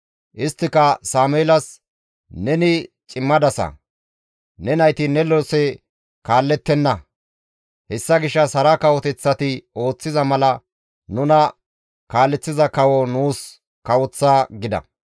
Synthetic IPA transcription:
ʔɪst̪ːɪkɐsaːmʊeːlɐs | nɛnɪt͡ʃʼɪmːɐd̪ɐsɐ̰ | nɛnɐjt̪ɪnɛlɔsɛ | kaːlːɛt̪ːɛnːɐ | hɛsːɐɡɪʃːɐshɐɾɐkɐwɔt̪ɛt͡sːɐt̪ɪo̞ːt͡sːɪzɐmɐlɐ | nʊnɐ | kaːlːɛt͡sːɪzɐkɐwɔnuːs | kɐwɔt͡sːaːɡɪd̪ɐ̰

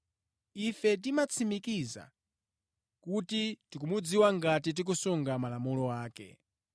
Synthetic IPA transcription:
ifɛt̬imat͡sʰimikiza̰ | kutitikumud͡ziwaŋɡatit̬ik̬usuŋɡamalamulɔwaːkɛ̰

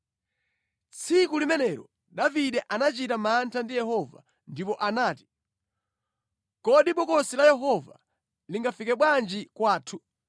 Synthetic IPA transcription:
t͡sʰikulimɛnɛɾɔ | ɗaviɗɛʔanat͡ʃitamantʰandijɛhɔva̰ | ndipɔʔanaːti̥ | kɔɗiɓɔkɔsilajɛɦɔva̰ | liŋɡafikɛɓwand͡ʒikwaːtʰu

